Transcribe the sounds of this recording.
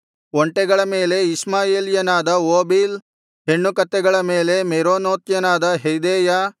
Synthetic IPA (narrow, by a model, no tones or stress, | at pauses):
oɳʈɛɡɐɭɐme̞ːle̞ismaːjeːljɐnaːd̪ɐoːbiːl | ɦe̞ɳːukɐt̪ːɛɡɐɭɐmeːle̞meɾoːnoːt̪jɐnaːd̪ɐɦejd̪eːja